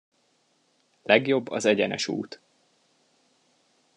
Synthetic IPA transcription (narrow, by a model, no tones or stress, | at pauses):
lɛɡjo̞bːɒ̰zɛɟɛnɛ̰ʃṵːt̪